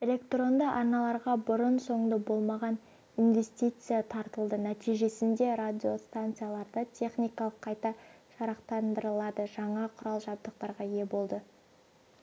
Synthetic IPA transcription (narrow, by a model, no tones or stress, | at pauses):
e̞lʲe̞kt̪ro̞nd̪ɑʔɑɾnɑlˠɑɾʁɑbʊɾənso̞ɴd̪əbo̞lˠmɑʁɑn | inve̞sʲt̪ʲijt̪sɨjat̪ʰɑɾt̪əlˠd̪ənæt̪ijʒe̞sɪnd̪e̞ɾad̪ʲio̞st̪ant̪sɨjalˠɑɾd̪ət̪ʲʰe̞χnʲijkɑlˠəqʰːɑjt̪ɑʒ̥ɑɾɑqt̪ɑnd̪əɾəlˠɑd̪əʒɑɴɑqʰʊɾɑlˠʒɑb̚d̪əq̚t̪ɑɾʁɑje̞bo̞lˠd̪ə